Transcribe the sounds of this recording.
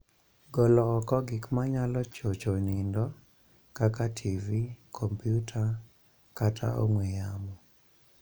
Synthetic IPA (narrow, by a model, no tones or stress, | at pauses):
ɡɔlɔkɔkɔɡɪkmaɲalɔt͡ʃot͡ʃonindɔ | kakatʰivikʰɔmpjutʰa | katʰa̰ʔo̰ŋwɛjamɔ